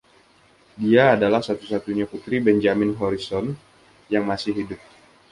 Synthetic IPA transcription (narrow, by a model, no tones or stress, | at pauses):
diaːdalahsat̪usat̪uɲakut̪ɾibɛɲd͡ʒamɪnɦɔɾisɔn | jaŋmasɪɦidʊp̚